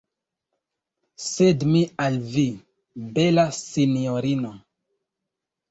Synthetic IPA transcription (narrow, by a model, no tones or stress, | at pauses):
sedmialvi | belasinioɾino